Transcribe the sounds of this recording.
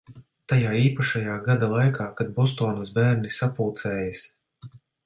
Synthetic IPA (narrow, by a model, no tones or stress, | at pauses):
t̪ajaːiːpaʃajaːɡad̪alˠajkʰaːkad̪̚bɔst̪ɔːnɐsbæːɾnisapuːt̪sɛːjas